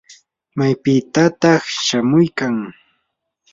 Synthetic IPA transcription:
majpɪt̪at̪ɑχʃamʊjkaŋ

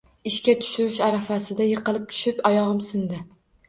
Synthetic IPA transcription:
ɪʃkʲat̪ʰʊ̥ʃʊɾɪʃaɾafasɪd̪ajɨqɨlˠɪp̚t̪ʰʊ̥ʃɪpɒjɒʁɨmsɪnd̪ɪ

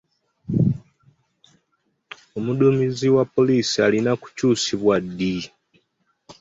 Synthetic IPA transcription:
omudumiziwapːo̞liːsialinaku̥cuːsiβwadːi

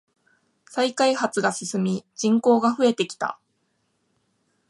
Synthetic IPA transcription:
saikaihat͡sɨɡasɨsɨmʲid͡ʑĩŋko̞ːɡaɸɯ̟e̞t̪e̞kʲi̥t̪a̰

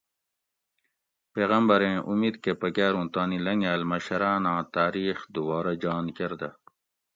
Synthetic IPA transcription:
peːɣɐmbɐɾẽːʔumiːd̪kepɐkæːɾũːt̪aːnilɐŋɡaːlmɐɕɐɾaːnãːt̪aːɾiːxd̪ubɑːɾɐd͡ʑɑːnkeɾd̪ɐ

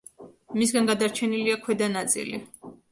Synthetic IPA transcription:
mis̬ɡanɡad̪aɾt͡ʃʰɛniliakʰwɛd̪anat̪sʼḭlḭ

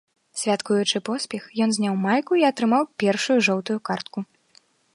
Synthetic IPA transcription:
sʲvʲat̪kujut͡ʂɨpɔsʲpʲɛxjɔnzʲnʲawmajkuiɐt̪ɾɨmawpʲɛrʂujuʐɔwt̪ujukart̪̚ku

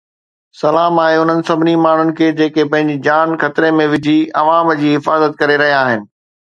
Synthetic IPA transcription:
sɐlaːmaːɦeʊn̤ənɪ̆sɐbʱɪnimaːɳ̤ʊnɪ̆kʰeːd͡ʑeːkepɐ̃ɦɪ̃ɲd͡ʑid͡ʑaːnxɐt̪ɪɾemẽʋɪd͡ʑʱiɐʋaːmd͡ʑiːɦɪfaːzət̪̚kɐɾeɾɐɦijãaːɦɪnɪ̆

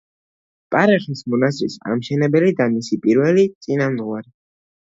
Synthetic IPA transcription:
pʼaɾɛχismɔnaszɾisa̰mʃɛnɛbɛlid̪amisipʼiɾvɛlit̪sʼinamd̪ʁwaɾi

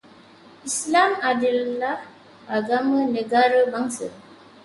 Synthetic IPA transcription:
islamadilːah | aɡaməneɡaɾəbaŋsə

